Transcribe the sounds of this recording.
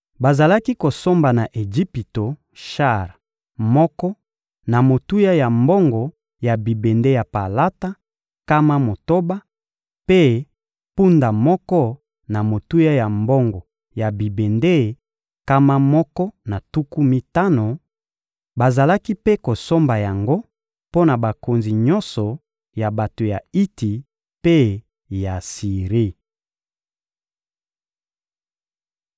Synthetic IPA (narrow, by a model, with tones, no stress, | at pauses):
ba˨za˨la˦ki˦ko˨so˦mba˨na˨ʔe˨d͡ʒi˦pi˨to˨ | ʃa˦˨ʁ | mɔ˦kɔ˦ | na˨mo˨tu˦ja˦ja˨mbɔ˦ŋɡɔ˨ | ja˨bi˨be˨nde˦ja˨pa˨la˦ta˦ | ka˦ma˦mo˨to˦ba˦ | pe˦ | pu˦nda˨mɔ˦kɔ˦ | na˨mo˨tu˦ja˦ja˨mbɔ˦ŋɡɔ˨ | ja˨bi˨be˨nde˦˨ | ka˦ma˦mɔ˦kɔ˦na˨tu˦ku˦mi˦ta˦no˨ | ba˨za˨la˦ki˦pe˦ko˨so˦mba˨ja˨ŋɡo˦ | po˦na˨ba˨ko˨nzi˨ɲɔ˦nsɔ˨ | ja˨ba˨to˨ja˨i˦ti˨ | pe˦ | ja˨si˨ʁi˦